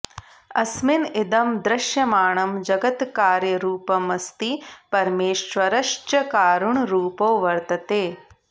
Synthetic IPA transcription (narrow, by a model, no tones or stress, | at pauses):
ɐsmɪnɪd̪ɐmd̪ɾɪʃjɐmaːɳɐmd͡ʒɐɡɐt̪kaːɾjɐɾuːpɐmɐst̪ipɐɾmeːʃʋɐɾɐʃt͡ʃɐkaːɾuɳɾuːpoːʋɐɾt̪ɐt̪eː